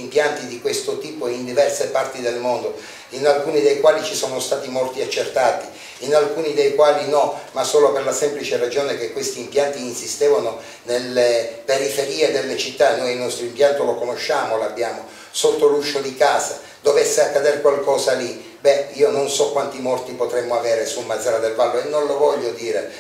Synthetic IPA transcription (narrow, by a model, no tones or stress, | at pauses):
mpjant̪id̪ikwest̪ot̪iːpoind̪ivɛrsepart̪id̪elmond̪o | inalkuːnid̪ejkwaːlit͡ʃisɔːnost̪aːt̪imɔlt̪iat͡ʃːert̪aːt̪i | inalkuːnid̪ejkwaːlinɔmasoːloperlasɛmplit͡ʃerad͡ʒoːnekekwest̪iːmpjant̪iːnsist̪eːvano | nelːepeɾifeɾiːed̪elːet͡ʃit̪ːanːojinɔst̪ɾoimpjant̪olokonoʃːaːmolabːjaːmo | sot̪ːoluʃːod̪ikaːza | d̪ovɛsːeakːad̪ɛrkwalkɔːzali | bɛiːononsɔkːwant̪imɔrt̪ipot̪ɾɛmːoavɛːɾesulmad̪zaɾad̪elvalːoenːonlovɔʎːod̪iːɾe